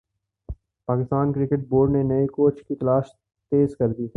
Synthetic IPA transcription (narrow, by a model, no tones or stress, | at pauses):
paːkɪst̪aːnkɾɪkɪʈ̚boːɾɖnenɐikoːt͡ʃkit̪ɐlaːʃ | t̪eːzkɐɾd̪iː